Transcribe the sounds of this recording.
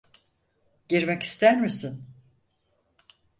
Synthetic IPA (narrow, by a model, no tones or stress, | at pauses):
ɟ̥iɾmɛci̥st̪ʰæɾmisin